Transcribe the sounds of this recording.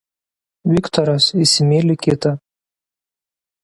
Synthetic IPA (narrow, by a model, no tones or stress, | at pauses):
wikt̪ʰoɾasisimelʲikʰʲet̪ʰʼa